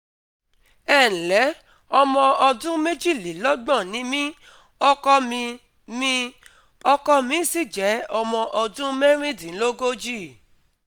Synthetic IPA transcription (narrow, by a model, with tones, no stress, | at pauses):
ɛ˦˨n̩˨lɛ˨˦ | ɔ˧mɔ̃˧ɔ˧dũ˦me˦d͡ʒi˦˨li˨lɔ˦ɡ͡bã˦˨nĩ˨˦mĩ˦ | ɔ˧kɔ˧mĩ˧ | mĩ˧˦ | ɔ˧kɔ˧mĩ˨˦si˦˨d͡ʒɛ˨˦ɔ˧mɔ̃˧ʔɔ˧dũ˦me˦ɾ̃ĩ˦˨dĩ˨˦lo˦ɡo˦d͡ʒi˦˨